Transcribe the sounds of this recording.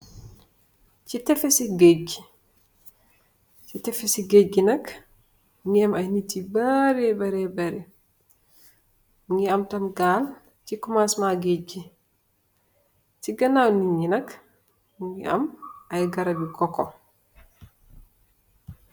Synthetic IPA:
citɛfesiɡeɟi | t͡ʃitɛfesiɡeɟinɐk | ŋɡiɐmajnitːibaɾɛbɐɾɛbɐɾɛ | ŋɡiɐmtɐmɡal | cikumasmaɡed͡ʒi | siɡɐnawniɲinɐk | ŋɡiʔɐ̰mʔɐjɡɐɾɐbikɔkɔ

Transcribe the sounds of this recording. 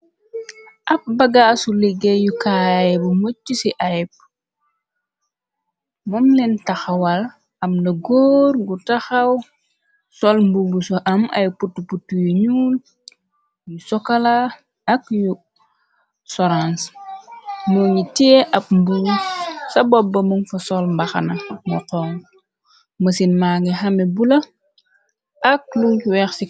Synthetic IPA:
ʔɐp̚bɐɡasuliɡejukaːjɛbumot͡ʃːisiʔaɛp̚ | mɔmlɛntaxɐwal | ɐmnɐɡoːɾɡutaxɐw | sɔlmbubusɔʔɐmɐ̰jputːuputːujuɲuːl | jusɔkɐla | ɐkju | sɔɾans | mɔɲitiʔɐp̚mbuːsɐbɔbːɐmuŋfɐsɔlmbɐxɐ̰nɐmuqɔːŋ | mɐsinmaːŋɛɦɐmɛbulɐ | ʔɐk̚luuwɛxsi

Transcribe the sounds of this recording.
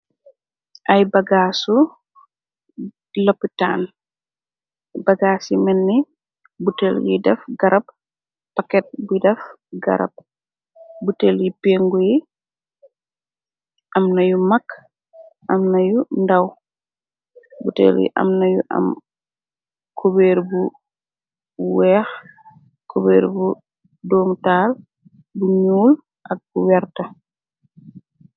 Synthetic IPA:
ʔɐjbɐɡaːsu | lɐpːita̰ːn | bɐɡaːsimɛnːi | butɛljḭdɛfɡɐɾɐp̚ː | ɐkɛt̚bujidɛf | ɡɐ̰ɾɐ̰p̚ | buteːljipeːŋɡuji | ʔɐmnɐjumɐkː | ʔɐmnɐjundɐw | butɛ̰ːljḭʔɐ̰mnɐjuʔɐ̰m | kʰobɛːɾbu | wɛːx | kɔbɛːɾbu | dɔːŋtaːl | buɲuːl | ʔɐk̚buwɛrtɐ

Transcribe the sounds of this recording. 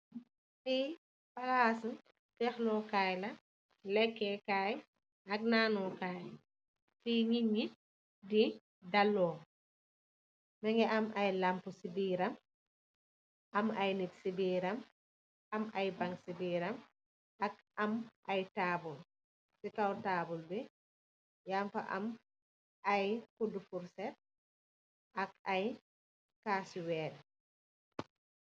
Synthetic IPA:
ti | palaːsu | tɛxlɔkaːjlɐ | lɛkːɛkaːj | ɐk̚naːnɔkaːj | tiɲiɲi | di | dɐlːɔː | mɛŋɡɛɐmɐjlampusibiːɾɐm | ɐmɐjnitsibiːɾɐm | ʔamajbaŋsibiɾam | ak | amʔajtaːbul | sitawtaːbulbɛ | jamfa̰ʔa̰m | ʔajkodufuɾsɛt̚ | ʔakaj | kaːsuwɛːdɛ

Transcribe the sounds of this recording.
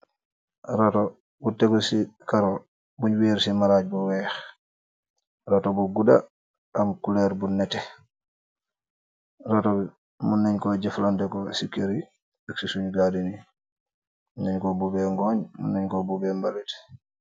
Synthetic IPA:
ɾatɔ | butːɛɡɔsikaɾɔ | buɲwiɾsimaɾad͡ʒbɔwɛːx | ɾatɔbuɡuɗa̰ | amkulɛɾbunːɛtɛ | ɾatɔbɛ | munːɛɲkɔd͡ʒɛflandɛkɔsikːeɾi | aksisuɲɡadini | munːɛɲkɔbubɛŋɡɔːɲmṵnːɛɲkɔbubɛmbalitɛ̥

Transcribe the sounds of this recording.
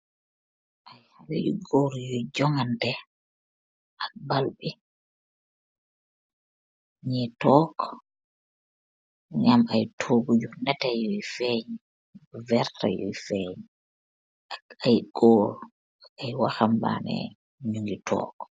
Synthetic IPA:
ʔajhalijṵɡoɾjɔjd͡ʒɔŋandɛ | ʔabalɓi | ɲitɔːkɔ̥ | ŋamajtʰoɡud͡ʒunɛtajɔjfɛɲ | vɛɾta̰jɔ̰jfɛɲi | aajɡoːɾ | ajwaxamba̰nɛ̰ | ɲuŋɡitʰɔ̰ːkɔ̥

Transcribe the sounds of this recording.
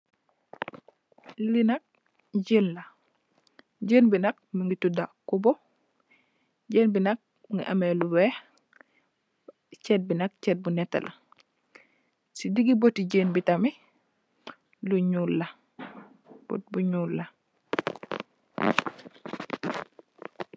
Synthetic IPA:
linak̚ | ɟəːnla | ɟəːnbinak̚miŋɡitudakubɔ | ɟənbinak̚ | iŋɡiʔa̰mɛlubɛ | t͡ʃɛt̚binak̚t͡ʃɛt̚bunɛtːa̰lʔa̰ | sidiɡibotiɟəːnbitami | luɲulːa | b̥o̰t̚buɲuːlːa

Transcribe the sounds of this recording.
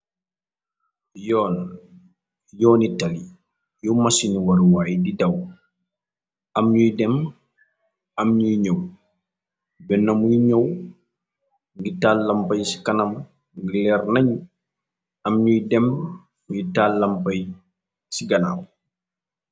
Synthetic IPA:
jɔːn | jɔːnitali | jɔmasiniwɐɾwaːjdidɐw | ɐmɲujdɛm | ɐmɲujɲɔw | bɛnːɐmujiɲɔw | ŋɡitaːlːɐmpɐjsi̥kɐnɐm | ɡilɛrnɐɲu | ɐmɲujdɛm | ɡitalːɐmpɐj | siɡɐna̰w

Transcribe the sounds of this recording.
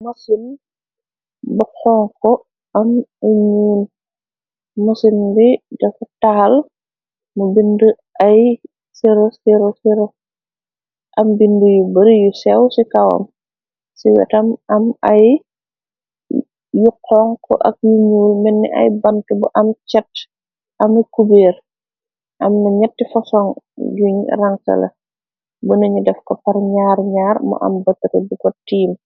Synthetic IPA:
musin | bɔqʰɔŋkɔ | ʔɐmuɲuːl | mosindidɛfɔtal | mubində | ʔɐj | siɾosiɾɔsiɾɔ | ʔɐmbindujubəɾjusɛwsikɐwɐ̰m | siwɛ̰tɐmɐmɐ̰j | juqːɔːŋkɔ̰ʔɐ̰k̚juɲuːlmɛnːɛ̰ʔɐ̰jbɐnkɛbɔʔɐmt͡ʃɛtː | ʔɐmɐkubɛːr | ʔɐmnɐɲɐtːifɐsɔŋjuɲraŋtɐ̰lɐ̰ | bunɐɲudɛfkɔpɐrɲaːɾɲaːrmɔ̰ʔɐ̰mbɐtːɐkɐbikɔtiːm

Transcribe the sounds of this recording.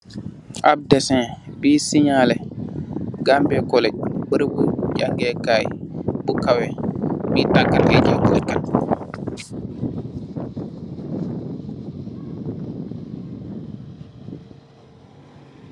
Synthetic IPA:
ʔab̚dɛsɛ̃biːsiɲalɛ | ɡambɛkɔlɛbəɾbud͡ʒaŋɡɛkajɓukawɛbitakːaed͡ʒɔkɔlɛkːan

